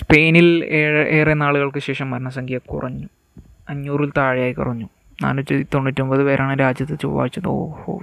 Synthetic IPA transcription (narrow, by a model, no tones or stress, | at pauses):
spe̞ːnileːʔeːrenaːɭuɣɐɭkɨɕe̞ːʂɐmːɐɾɐɳɐs̬ɐŋɡʰijɐkṵrɐɲːu | ɐɲːuːrilt̪aːɻijaːjikṵrɐɲːu | na̰ːnɐt͡ɕːɐt̪o̞ɳːitːombɐðɨʋeɾʔaːɳɨɾaːd͡ʑjɐt̪ːɨt͡ɕṵʋɐ̰ʋa̰ːit͡ɕːɐno̰po̰ː